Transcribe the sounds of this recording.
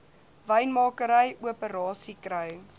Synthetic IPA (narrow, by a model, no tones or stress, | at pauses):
vəjnmɑːkəɾəjuəpəɾɑːsikrəjəŋ